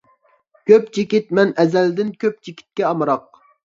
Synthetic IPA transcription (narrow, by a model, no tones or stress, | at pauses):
kʲʰøpt͡ʃʰikʲit̪̚mɛnʔɛzɛld̪ɪnkʲʰøp̚t͡ʃʰikʲʰi̥t̪̚kʲɛɑmɨɾɑq̚